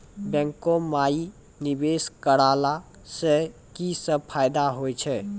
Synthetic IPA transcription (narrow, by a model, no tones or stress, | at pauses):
bɛ̃ŋkomai | nibeskəɽaːla | se | kisəb̚pʰaːjd̪aɦojt͡ʃʰɛ